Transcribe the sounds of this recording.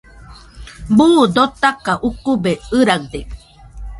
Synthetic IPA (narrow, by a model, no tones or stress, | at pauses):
buːd̪ot̪akaʔukubeɨɾakd̪e